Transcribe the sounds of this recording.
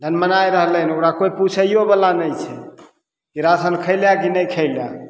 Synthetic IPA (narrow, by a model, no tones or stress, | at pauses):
d̪ʱənmənajɾəɦlənokɾakoiput͡ʃʰəiobəlanəjt͡ʃʰɛ | kiɾasənkʰəɪljakinəjkʰəɪlja̰